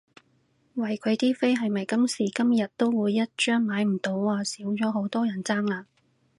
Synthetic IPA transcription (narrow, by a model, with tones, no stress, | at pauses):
wɐ˨˩jkʰɵ˨˧ɥt̪iː˥fe˥jɦɐ˨jmɐ˨jkɐ˥msiː˨˩kɐ˥mjɐ˨t̚t̪ːo˥wwuː˨˧jːɐ˥t̚t͡ʃœː˥ŋmaː˨˥jm̩˨˩t̪o˨˥wːaː˨˧siː˨˥wt͡ʃɔː˨˥ɦo˨˥wt̪ɔː˥jɐ˨˩nt͡saː˥ŋlaː˧